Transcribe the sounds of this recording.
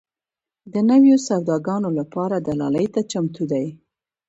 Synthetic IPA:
d̪ənəwjosaɾd̪ɑɡɑnolapɑɾad̪alɑ̰lajt̪at͡ʃamt̪ud̪aj

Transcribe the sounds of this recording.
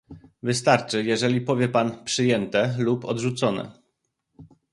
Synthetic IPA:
vɘst̪aɾt͡ʂɘjɛʐɛlʲipɔvʲjɛpanpʂɘjɛnt̪ɛlupɔd̪ʐut̪sɔnɛ̰

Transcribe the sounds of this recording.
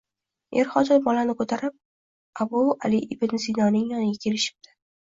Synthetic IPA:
eɾχɒd̪ɒjbɒlanɪkʰot̪ʰaɾɪp̚ | abua̰lɪʔɪbɪnzinɒnɪŋjɒnɪɡʲakʲʰe̞lɪʃɪ̥b̚d̪̥ɪ̥

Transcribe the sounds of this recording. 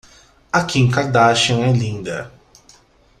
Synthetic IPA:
akiẽŋkaɾd̪aʃɐ̃w̃ɛlĩnd̪ɐ

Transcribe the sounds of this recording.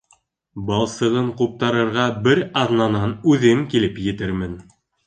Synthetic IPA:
bɑlˠsɤ̆ʁɤɴqup̚t̪ɑɾɤ̆ɾʁɑbɘɾɑðnɑnɑnʉðɘŋkilɘpjɘ̆t̪ɘɾmɘn

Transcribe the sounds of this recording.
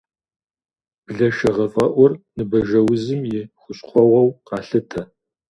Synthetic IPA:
b̥ɮɐʃɐʁɐfʼɐʔʷʊrnɨbɐʒɐwʊzɨmjɪχʷʊɕχʷɔwɐwqɑːɬɨtʰɐ

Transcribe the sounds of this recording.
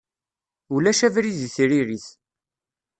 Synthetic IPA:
ulæʃævɾiziθɾiɾiθ

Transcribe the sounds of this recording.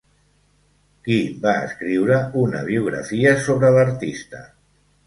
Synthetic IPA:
kibaə̰skɾiwɾəunə̰β̞iuɣɾə̰fiəsoβɾələɾt̪ist̪ə̰

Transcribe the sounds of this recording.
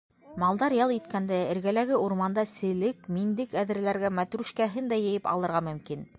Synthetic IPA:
mɑlˠd̪ɑɾjɑlˠit̪kænd̪æɘ̆ɾɡælæɡɘuɾmɑnd̪ɑsɘ̆lɘkmind̪ɘkæðɘ̆ɾ̆læɾɡæmæt̪ɾʉʃkæɦɘnd̪æjɘ̆jɘpɑ̰lˠɤ̆ɾʁɑmɵ̆mkin

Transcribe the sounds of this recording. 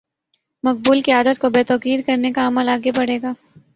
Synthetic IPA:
mɐq̚buːlkiaːd̪ət̪̚kobeːt̪ɔːkiːɾkɐɾnekaɐməlaːɡebɐɽ̤eːɡaː

